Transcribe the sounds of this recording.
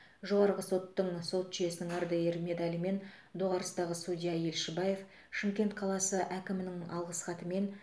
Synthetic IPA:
ʒo̞ʁɑɾʁəso̞t̪ːəɴso̞t̪ʒɪje̞sɪnɪŋɑɾd̪ɑjeɾme̞d̪ɑlime̞n | d̪oʁɑɾəst̪ɑʁəsud̪ʲijɑje̞lʃebaje̞f | ʃɪmkʲe̞nt̪̚qʰɑlˠɑsəʔækʲɪmɪnɪŋɑ̰lˠʁəsχɑt̪əme̞n

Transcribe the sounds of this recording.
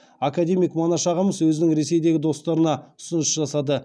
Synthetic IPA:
akad̪e̞mijkmonɑʃɑʁəməswɵzɪnɪŋɾe̞se̞jd̪e̞ɡʲɪd̪o̞st̪ɑɾənɑʊ̥sʊnəsʒɑsɑd̪ə

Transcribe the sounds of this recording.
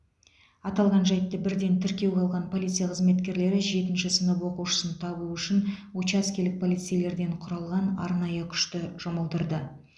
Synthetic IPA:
ɑt̪ɑlˠʁɑnʒɑjt̪ːəbɪɾd̪e̞nt̪ʰɪɾkʲe̞wɡʲɑlˠʁɑnpʰo̞lʲit̪sɨjaqʰəzme̞t̪kʲe̞ɾle̞ɾɪʒe̞t̪ɪnʃɪsənəpwo̞quʃə̥sənt̪ʰɑbuʏʃɪnwot͡ʃɑskʲelɪk̚pʰo̞lʲijt̪sejle̞ɾd̪e̞ɴqʰʊɾɑlˠʁɑnɑ̰ɾnɑjəkʲʰʏ̥ʃt̪ɪʒ̥ʊməlˠd̪əɾd̪ə

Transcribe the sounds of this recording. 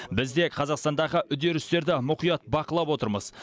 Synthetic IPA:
bɪzd̪e̞qʰɑzɑqst̪ɑnd̪ɑʁəʔʏd̪e̞ɾɪst̪e̞ɾd̪ɪmʊqijɑt̪̚bɑqəlˠɑpwo̞t̪əɾməz̥

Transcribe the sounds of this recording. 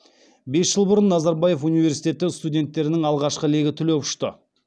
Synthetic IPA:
be̞sʒəlˠbʊɾənːɑzɑɾbɑje̞funijve̞ɾsi̥jt̪ʲe̞t̪ɪst̪udʲe̞nt̪ːe̞ɾɪnɪŋɑlˠʁɑʃqəle̞ɡʲɪt̪ʰɪlepʃt̪ə

